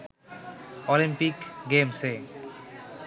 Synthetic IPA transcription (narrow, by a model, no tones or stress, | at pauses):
ɔlimpikɡemse